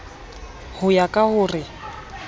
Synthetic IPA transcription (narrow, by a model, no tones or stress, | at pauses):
hʊjakʼahʊːrɪ